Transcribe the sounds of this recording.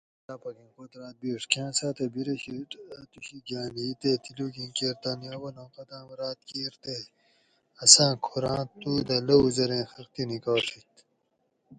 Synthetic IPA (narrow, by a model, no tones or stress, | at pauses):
laːpɐkĩnqoːt̪ɾãːt̪̚biːʂkãːsaːt̪ɐbiɾɐɕit̪uɕiɡaːniːt̪eːt̪iluːkĩkeɾt̪aːnjaːwɐlõːqɐt̪ãːwɐɾaːt̪keːɾt̪e | ɐsãːkʰoɾãːt̪uːd̪ɐlɐuzɐɾẽːxɐɾt̪inikaːtit̪